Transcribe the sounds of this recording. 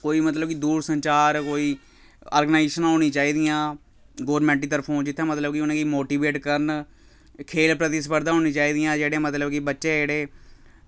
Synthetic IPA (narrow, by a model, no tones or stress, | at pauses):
koːiːmət̪ləbkɪd̪uːɾsəɲt͡ʃaːɾkoːiː | a̰ːɾɡənaːɪʃənɦoːɽ̃ĩːt͡ʃaːiːd̪ɪjãː | ɡoːɾmɛ̃ːɳʈiːt̪əɾpʰõːd͡ʒɪt̪ʰːãːmət̪ləbkɪʊnãːkimoːʈiːbeːʈkəɾn | kʰeːlpɾət̪ɪspəɾd̪ãːɦoːnĩːt͡ʃaːiːd̪ɪjãːd͡ʒeːɽẽːmət̪ləbkɪbətːʃeːd͡ʒeːɽeː